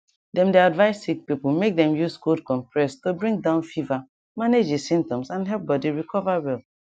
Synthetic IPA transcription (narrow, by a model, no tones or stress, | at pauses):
dɛ̃mdeadvaɪsːik̚pipl̩mek̚dɛ̃mjuskodkɔ̃mpɹɛstobɹĩŋ̚dãʊ̃nfiva | maned͡ʒesĩmtɔ̃msãnɦɛlp̚bɔdiɹikʰɔvawɛl